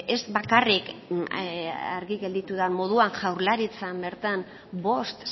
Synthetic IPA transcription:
ezbakarik | a̰ɾɣiɣe̞ld̪it̪uðamo̞ðuaŋʝawɾlaɾit͡sambe̞ɾt̪an | bo̞st̪

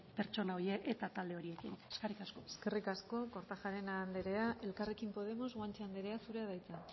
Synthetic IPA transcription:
pe̞ɾt͡ʃo̞naojeʔet̪at̪ald̪e̞o̞ɾie̞kineskerikasko̞eske̞rikasko̞ko̞ɾt̪axaɾe̞naːnd̪eɾe̞aʔe̞lkare̞kimpo̞ð̞e̞mo̞zɣwant͡ʃeand̪e̞ɾe̞asuɾe̞að̞ajt͡sa

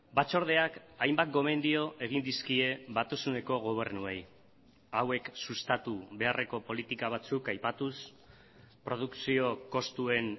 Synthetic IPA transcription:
bat͡so̞ɾð̞e̞akajmbat̪̚ɡo̞me̞nd̪io̞ʔe̞ɣ̞ind̪iskie̞βat̪usune̞ko̞ɣ̞o̞β̞e̞ɾnuej | awe̞ksust̪at̪uβe̞arʔe̞ko̞po̞lit̪ikaβ̞at͡sukajpat̪us | pɾo̞ð̞uksio̞ko̞st̪ue̞n

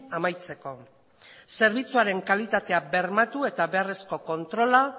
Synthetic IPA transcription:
amajt͡se̞ko̞ | se̞ɾβ̞it͡suaɾe̞ŋkalit̪at̪e̞abe̞ɾmat̪ue̞t̪aβe̞are̞sko̞ko̞nt̪ɾo̞la

